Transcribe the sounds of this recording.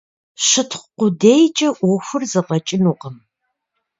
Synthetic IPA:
ɕɨtʰχʷqʷʊdejt͡ʃʼɐʔʷɔxʷʊrzɨqɐt͡ʃʼɪnuːqəm

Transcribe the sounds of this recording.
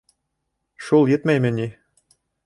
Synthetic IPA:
ʃulˠjɘ̆t̪mæjmʲɘ̆nʲi

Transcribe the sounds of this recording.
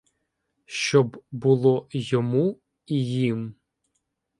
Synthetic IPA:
ʃt͡ʃɔbbulˠɔjɔmu | ijim

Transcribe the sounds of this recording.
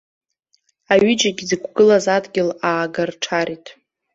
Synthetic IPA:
aɥɪd͡ʒaɡʲizɨkʷʰɡɨlazadɡʲɪlaːɡarʈ͡ʂʰaɾitʼ

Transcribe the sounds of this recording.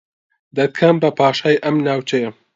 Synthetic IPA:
d̪ɐt̪̚kʰɐmbɐpʰɑːʃaːjʔɐmnaːwt͡ʃʰɐjɐ

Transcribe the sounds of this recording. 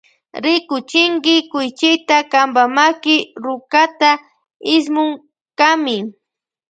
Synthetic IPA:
ɾɪkʊt͡ʃɪŋɡɪkʊjt͡ʃɪjt̪akambamakɪɾʊkat̪a | ɪs̬mʊŋ | kamɪ

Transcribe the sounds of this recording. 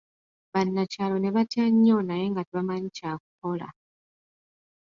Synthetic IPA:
βanːacaːlo̞ne̞βatjaɲːo̞naje̞ŋɡatiβamaɲicaːk̚uko̞la̰

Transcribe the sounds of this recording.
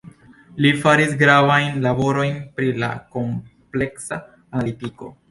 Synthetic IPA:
lifaɾisɡɾavajnlabo̞ɾo̞jnpɾila̰ko̞mple̞ksa | analitiko̞

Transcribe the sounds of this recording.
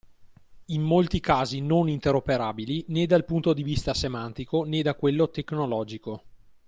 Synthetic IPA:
imːolt̪ikaːzinonint̪eɾopeɾaːbilined̪alpunt̪od̪ivist̪asemant̪ikoned̪akwelːot̪eknolɔːd͡ʒiko

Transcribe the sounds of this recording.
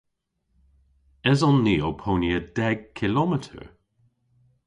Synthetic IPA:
ɛzɔnːiːopʰoniəd̥ɛɡ̚kʰɪlɔmɛtʰə̰ɹ

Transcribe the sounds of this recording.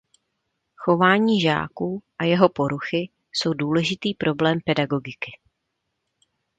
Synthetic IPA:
xo̞vaːɲiːʒa̰ːkuːʔajɛɦo̞po̞ɾuxɪ | so̞wduːlɛʒɪt̪iːpɾʔo̞blɛːmpɛdaɡo̞ɡɪkɪ

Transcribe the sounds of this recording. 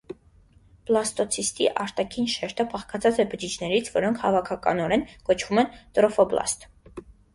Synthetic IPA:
b̥lˠɑst̪ɔt͡sʰist̪ḭʔɑɾt̪ɑkʰinʃɛɾt̪ʰəpʰɑχkɑt͡sʰɑt͡sɛbəd͡ʒit͡ʃʰnɛɾit͡sʰvɔɾɔŋkʰhɑvɑkʰɑkɑ̰nɔɾɛnkɔt͡ʃʰvumɛnt̪ɾɔfɔblɑ̰st̪

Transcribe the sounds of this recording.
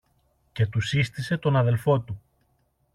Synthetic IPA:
ce̞t̪usist̪ise̞t̪o̞nɐðe̞lfo̞t̪u

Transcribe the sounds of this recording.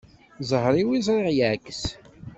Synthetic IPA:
zˤəhɾˤiwizˤɾˤiʁjʕækːəs

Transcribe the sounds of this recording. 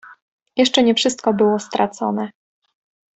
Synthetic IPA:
jɛʂt͡ʂɛɲɛfʂɘst̪̚kɔbɘwɔst̪ɾʔat̪sɔ̰nɛ

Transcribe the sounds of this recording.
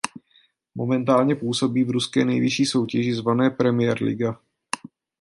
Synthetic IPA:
mo̞̰mɛnt̪aːlɲɛpuːso̞biːvɾuskɛ̰ːnɛjvɪʃiːso̞wcɛʒɪzvanɛːpɾɛmɪjɛɾlɪ̰ɡa

